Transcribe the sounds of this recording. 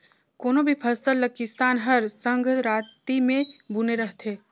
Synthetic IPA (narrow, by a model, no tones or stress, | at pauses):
koːnõbʱipʰɐsəlːəkɪst̪aːnɦɐɾsə̃ŋɡʱɾaːt̪imẽbuneɾɐɦt̪ʰeː